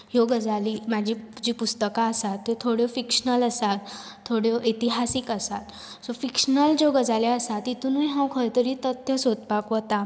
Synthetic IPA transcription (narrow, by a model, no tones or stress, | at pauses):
ɦjoɡəd͡zaliːmad͡ʑʱid͡ʑiːpust̪əkaəsat̪ːet̪ʰoɽjofikʂənələsat̪ʰː | oɽjoʔit̪iɦasiːkəsat̪ | sofikʂnəld͡zoɡəd͡zaleəsat̪ːit̪uːneɦãwkʰəjt̪əɾit̪ət̪jəsot̪̚pakʋət̪a